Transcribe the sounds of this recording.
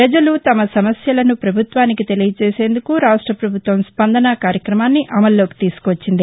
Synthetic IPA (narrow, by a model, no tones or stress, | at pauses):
pɾɐd͡ʒɐlut̪ɐmɐsɐmɐsjɐlɐnupɾɐbʱut̪ʋaːnikit̪e̞lijɐt͡ʃeːse̞ːnd̪ukuɾaːʂʈɾɐpɾɐbʱut̪ʋɐmspɐnd̪ɐnɐkaːɾjɐkɾɐmaːnːiʔɐmɐlːo̞ːki̥t̪iːsu̥kːʋɐt͡ʃːind̪i